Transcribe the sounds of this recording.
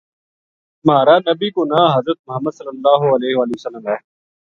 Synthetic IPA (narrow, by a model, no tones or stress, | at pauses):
maːɾaːnɐbikonaːɦɐzɾət̪̚mʊɦəmːəd̪sɐlːəlːaːɦoɐleːɦʋaːliʋəsəlːəmɦɛː